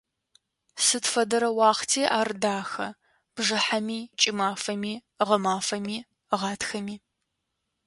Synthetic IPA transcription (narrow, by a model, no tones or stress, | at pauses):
sɨtfɐdɐɾɐwɑːχtʰiːʔaːrdaːxɐ | b̥ʒɐħamiːt͡ʃʼɪmaːfɐmiː | ʁɐmaːfɐmiː | ʁɑːtʰxɐmiː